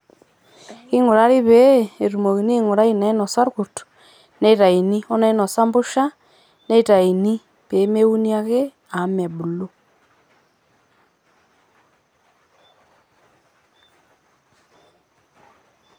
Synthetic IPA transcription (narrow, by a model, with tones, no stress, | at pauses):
i˦ŋo˨ɾa˦ɾi˦βe˨˦e˨ɾu˨mo˨ɣi˨ni˦ŋo˨ɾa˦i˦na˨i˦no˨sa˦ɾɣu˨t | ne˦i˨ɾa˨i˨ni˦ɔ˦na˦i˦no˨sa˦mbu˦ʃa˦ | ne˦˨ta˨i˨ni˦ | pe˨˦me˦u˦ni˦a˦ɣe˦ | a˨˦me˨βu˨lo˦